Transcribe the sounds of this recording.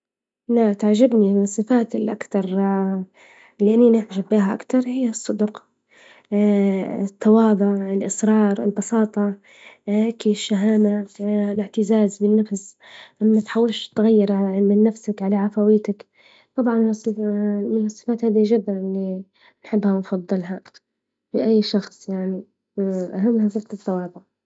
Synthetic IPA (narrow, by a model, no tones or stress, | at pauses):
nat̪aʕʒabninɨsˤːɨfaːt̪ɪlʔa̰kt̪ɑɾˤ | lɪʔanːinɪʕʒabːiːɦaʔa̰kt̪ɑɾˤhɪjːasˤːɨd̪ʊqː | t̪ːɑwɑːd̪ˤɑɪlʔɪsɾˤɑːɾˤɪ̰lbɑsɑːt̪ˤɑ | akiʃːaɦaːmalɪʕt̪ɪzaːzbɪnːafsʔamːat̪ħawːalʃt̪ːɣajːɪɾˤʕaamɪnːafsakʕalaʕafawiːt̪ak | t̪ˤɑbʕɑnmsˤːmɪnɨsˤːɨ̥faːt̪haːd̪iʒɪd̪ːanʔɪlːi | nħɪbːhanfɑðˤːɨlɦa | fɪʔajːʃɑxsˤjaʕni | ʔaɦamːhafɪkt̪ɪt̪ːɑwɑːðˤʊʕ